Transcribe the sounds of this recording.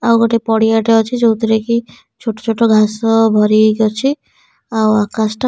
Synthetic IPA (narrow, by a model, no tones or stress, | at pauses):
awɡɔʈepɔɽiaʈeɔt͡ʃʰid͡ʒowt̪ɾeki | t͡ʃʰoʈot͡ʃʰoʈɔɡʱasɔbʱɔɾiɡɔt͡ʃʰi | awakasʈ